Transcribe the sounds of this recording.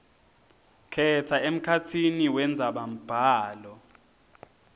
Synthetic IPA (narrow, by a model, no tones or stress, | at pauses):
kʰɛtʰaem̩kʰat͡sʰiniwɛnd͡zʱaɓam̩b̥ʱaːlɔ